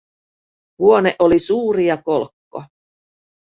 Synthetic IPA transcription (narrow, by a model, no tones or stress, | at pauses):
huoneʔolisuːɾijɑkolkːo